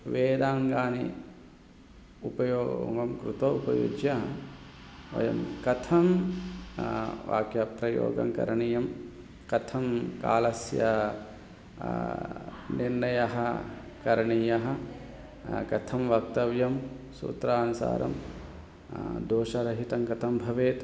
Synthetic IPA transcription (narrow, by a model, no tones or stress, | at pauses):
ʋeːd̪aːŋɡaːnḭ | upɐjoːŋɡɐmkɾut̪oːupɐ̰jṵd͡ʒjɐ | ʋɐ̰jɐ̰mkɐt̪ʰɐm | ʋa̰ːkjɐpɾɐjo̰ːɡɐ̰mkɐ̰ɾɐɳijɐm | kɐt̪ʰɐmkaːlɐsjɐ | niɾnɐjɐɦɐ | kɐɾɐɳijɐɦɐ | kɐt̪ʰɐmʋɐk̚t̪ɐʋjɐmsṵːt̪ɾaːnusa̰ːɾɐ̰m | d̪oːʃɐɾɐɦit̪ɐŋkɐt̪ʰɐmbʱɐʋeːt̪